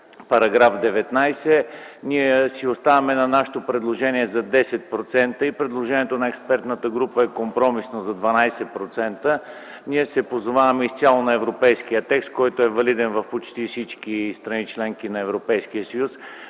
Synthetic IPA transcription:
pɐɾɐɡɾafd̪ɛvɛt̪najsɛniɛsiost̪avɐmɛnɐnaʃe̥t̪opɾɛd̪lˠoʒɛniɛzɐd̪ɛsɛt̪̚pɾot̪sɛnt̪əipɾɛd̪lˠoʒɛniɛt̪onɐɛkspɛɾt̪nət̪əɡɾupəɛkompɾɔmisnozɐd̪vɐnajsɛpɾot̪sɛnt̪ə | niɛsɛpozovavɐmɛist̪sʲjalˠonɐɛvɾopɛjsk̟ijət̪ɛkst̪̚kɔjt̪oɛvɐlid̪ɛnvɐfpot͡ʃt̪ifsit͡ʃkist̪ɾɐnit͡ʃlɛŋkinɐɛvɾopɛjskijəsəjus

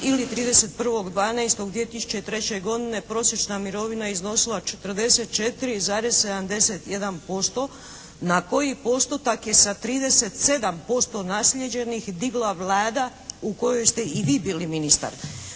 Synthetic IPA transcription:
ilit̪ɾiːd̪e̞se̞t̪̚pr̩ʋo̞ɡd̪ʋaːnajst̪oɡd̪ʋie̞t̪isu̥t͡ɕet̪ɾe̞t͡ɕe̞ɡo̞d̪ine̞pɾo̞sje̞t͡ʃnamiɾo̞ʋinaizno̞silˠat͡ʃe̥t̪r̩d̪e̞set̪̚t͡ʃe̞t̪iɾizaːɾezse̞d̪amd̪e̞set̪je̞d̪anpo̞st̪o̞ | nako̞jipo̞st̪ot̪akje̞sat̪ɾiːd̪e̞set̪se̞d̪ampo̞st̪o̞naslʲjed͡ʑe̞nixd̪iɡlˠaʋlˠaːd̪a | uko̞jo̞jst̪e̞iʋiːbiːliminist̪a̰ɾ

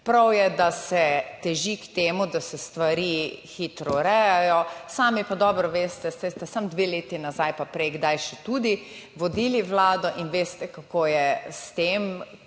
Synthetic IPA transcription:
pɾawjɛd̪asɛt̪ɛʒikt̪eːmud̪asɛst̪ʋaɾixiːt̪ɾɔɾɛjajɔsaːmipad̪ɔbɾɔʋeːst̪ɛst̪ɛst̪ɛsamd̪ʋeleːt̪inazajpapɾɛjɡd̪ajʃɛt̪ud̪iʋɔd̪iːliʋlaːd̪ɔʔinʋeːst̪ɛkakoːjɛst̪eːm

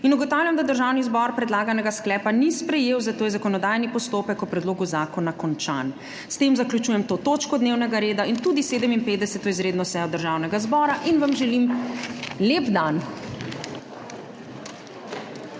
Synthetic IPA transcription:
inuɡɔt̪awlʲjamd̪ad̪əɾʒaːwnizbɔɾpɾɛd̪laːɡanɛɡasklɛːpanispɾɛjeːwzat̪oːjɛzakɔnɔd̪ajnipɔst̪oːpɛkɔpɾɛd̪loːɡuzaːkɔnakɔnt͡ʃa̰n | st̪emzaklʲut͡ʃuːjɛmt̪ot̪oːt͡ʃkɔd̪newnɛɡaɾeːd̪aint̪uːd̪iseːd̪əminpeːt̪d̪ɛsɛt̪ɔizɾeːd̪nɔsɛjɔd̪əɾʒawnɛɡazbɔɾaʔinʋamʒɛlim | leːpd̪an

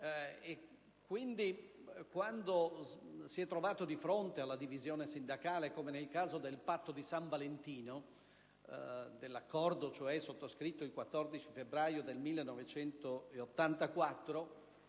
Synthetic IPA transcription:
e | kːwind̪ikwand̪osiɛt̪ːɾovaːt̪od̪ifɾont̪ealːad̪ivizjoːnesind̪akaːlekomenelkaːzod̪elpat̪ːod̪isaɱvalent̪iːno | d̪elːakːɔrd̪ot͡ʃoɛsot̪ːoskɾit̪ːoilkwat̪ːɔrd̪it͡ʃifebɾaːjod̪elmilːenːɔvet͡ʃɛnt̪oeot̪ːant̪akwat̪ːɾo

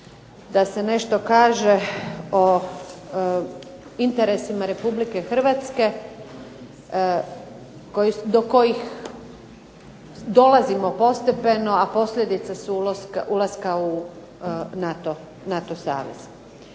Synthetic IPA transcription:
d̪ase̞ne̞ʃt̪o̞kaːʒe̞o | int̪e̞ɾe̞simaɾe̞publike̞xr̩ʋat̪ske̞ | kojid̪o̞ko̞jix | d̪o̞lazimo̞po̞st̪epe̞no̞apo̞slʲʎʲed̪it̪sasuloskaʔulˠaskau | nat̪o | nat̪osa̰ːʋḛz̥

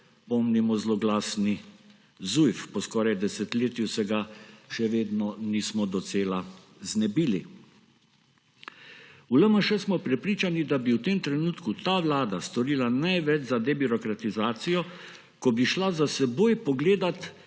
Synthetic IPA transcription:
pɔmnimɔzlɔɡlaːsni | zujfpɔskɔːɾajd̪ɛsɛt̪leːt̪jusɛɡaʃɛʋeːd̪nɔniːsmɔd̪ɔt̪seːla | znɛbili | uləməʃɛsmɔpɾɛpɾiːt͡ʃanid̪abiwt̪eːmt̪ɾɛnuːt̪kut̪aːʋlaːd̪ast̪ɔɾiːlanajʋɛt͡ʃzad̪ɛbiɾɔkɾat̪izaːt̪sijɔ | kɔbiʃlazasɛboːjpɔɡleːd̪at̪

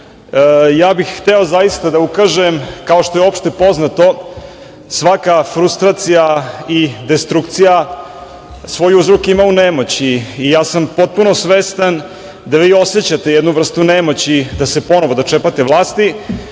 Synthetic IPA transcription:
jaːbixxt̪ɛozajist̪ad̪aukaʒemkao̞ʃt̪o̞jeo̞pʃt̪epo̞znat̪o̞ | sʋakafɾust̪ɾaːt̪sijaid̪est̪ɾukt̪sija | sʋo̞juzɾokimaunemo̞t͡ɕiːjaːsampo̞t̪̚punosʋest̪an | d̪aʋiːo̞set͡ɕat̪e̞jɛd̪nuʋr̩st̪unemo̞t͡ɕid̪asepo̞noʋo̞d̪at͡ʃepat̪eʋlˠaːst̪i

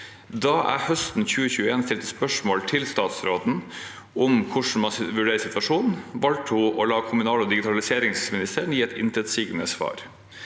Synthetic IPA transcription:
d̪ɑːʔæ̰hœst̪n̩çʉːəçʉːəeːnst̪ɪlt̪əspœʂmoːlt̪ʰɪlst̪ɑːt̪sɾoːd̪n̩ | ʔʊmkʰʊʂɳ̩mɑnʋʉɖeːɾəsɪt̪ʋɑʂuːnn̩ʋɑlʈ̪uʔɔlɑːkʰʊmʉnɑːləɔd̪ɪɡɪt̪ʰɑlɪseːɾɪŋsmɪnɪst̪əɾɳjiːɛt̪ɪ̰nt̪ʰɾɛt̪siɡənəsʋɑ̰ːɾ

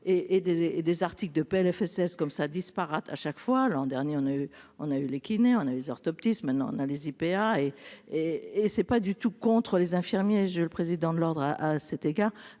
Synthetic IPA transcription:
eʔed̪eed̪ezaʁt̪ikld̪əpeɛlɛfɛsɛskɔmsad̪ispaʁat̪ʰaʃakfwalɑ̃d̪ɛʁnjeɔ̃nay | ɔ̃naylekʲineɔ̃naylezɔʁt̪ɔp̚t̪ismɛ̃t̪nɑ̰̃ɔ̰̃nalezipeaeeːsɛpad̪yt̪ukɔ̃t̪χəlezɛ̃fiʁmjeʒeləpχezid̪ɑ̃d̪əlɔʁd̪ʁaʔasɛt̪eɡaːʁ

